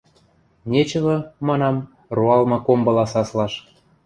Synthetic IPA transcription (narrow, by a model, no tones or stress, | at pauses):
nʲet͡ɕə̆βɤ̆mɑnɑm | ruɑlmɤ̆kombɤ̆lɑsɑslɑʃ